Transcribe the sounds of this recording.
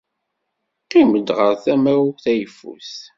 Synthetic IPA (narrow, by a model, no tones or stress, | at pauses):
qiməd̪ʁəɾθæmæwθæjəfːṵθ